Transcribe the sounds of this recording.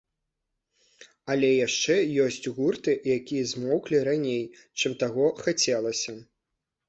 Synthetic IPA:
ɐlʲɛjaʂt͡ʂɛjɔsʲt͡sʲɣurt̪ɨjakʲijɐzmɔwklʲiɾanʲej | t͡ʂɨmt̪aɣɔxat͡sʲɛlˠɐsʲɐ

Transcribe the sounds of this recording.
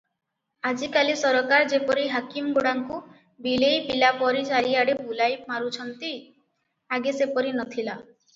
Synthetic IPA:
ad͡ʒikalisɔɾɔkaɾd͡ʒepɔɾiɦakimɡoɽaŋku | bilejpilapɔɾit͡ʃaɾiaɽebulajpmaɾut͡ʃʰɔnt̪i | aɡesepɔɾinɔt̪ʰila

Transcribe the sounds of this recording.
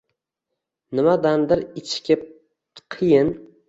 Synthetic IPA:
nɪmad̪and̪ɪɾɪt͡ʃʰkʲʰɪp̚ | qʰɨjɪn

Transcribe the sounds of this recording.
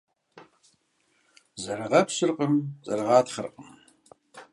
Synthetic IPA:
zɐrɨʁɐpɕɨrqʼəmt͡sʼɐ̰rɨʁɑːtχərqʼəm

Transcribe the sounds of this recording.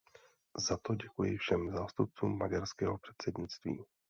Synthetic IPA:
zat̪o̞ɟɛkujɪfʃɛmzaːst̪up̚t͡suːmːaɟaɾskɛːɦopr̝̥ɛt̪sɛdɲɪt͡st̪vḭː

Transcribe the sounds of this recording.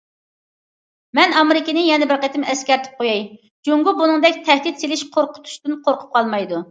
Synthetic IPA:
mɛnɑmɪɾɪkʲɪnɪjɛnɛbɪɾqet̪ʰɪmɛskʲɛɾt̪ʰɪ̥p̚qʰojɛj | d͡ʒoŋɡʊbunɨŋd̪ɛkʲt̪ʰɛhd̪it̪selɪʃqʰoɾqʰʊ̥t̪ʰu̥ʃt̪ɨnqʰoɾqʰʊ̥p̚qʰɑlˠmɑjd̪u

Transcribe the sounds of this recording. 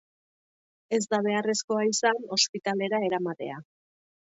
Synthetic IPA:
e̞zd̪aβ̞e̞are̞sko̞aisano̞spit̪ale̞ɾae̞ɾamat̪e̞̰a

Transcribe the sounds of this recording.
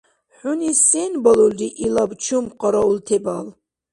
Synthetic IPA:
ħunisɛnbaluldiʔilabt͡ʃʰumqʼɔɾault̪ʰɛbal

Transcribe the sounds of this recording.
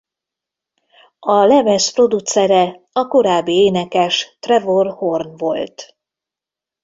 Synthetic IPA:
ɒlɛmɛspro̞d̪ut̪sɛɾɛ | ɒko̞ɾaːbːieːnɛkɛʃt̪rɛvorho̞rnvo̞lt̪

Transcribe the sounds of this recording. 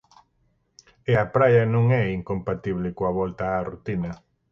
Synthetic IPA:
eapɾajɐnõŋɛiŋkompat̪iβ̞lɪkoaβɔlt̪aːrut̪inɐ

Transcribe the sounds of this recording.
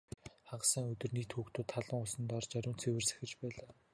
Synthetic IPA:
χaɢ̆sə̆ŋɵt̪ɵ̆rniːt̪xuːkt̪ʊːt̪ʰːaɮə̆ŋʊɮsə̆nt̪ɔrt͡ɕæɾʲʊːnt͡sʰewɘ̆rsæ̥xʲɪ̆t͡ɕpæːɮaː

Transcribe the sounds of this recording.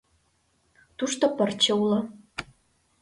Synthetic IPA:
t̪uʃt̪opə̆rt͡ɕĕulŏ

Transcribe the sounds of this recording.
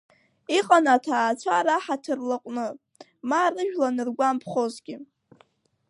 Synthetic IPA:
iqʼanatʰaːt͡sʷʰaɾaħatʰɨrlaqʷʼnɨ | maːrɨʒᶣlanɨrɡʷampʰχo̞zɡʲɪ

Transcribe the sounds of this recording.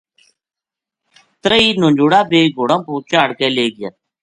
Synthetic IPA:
t̪ɾəiːnõːɲd͡ʒuːɽaːbeːɡoːɽãːpũːt͡ʃaːɽkeːleːɡɪjət̪

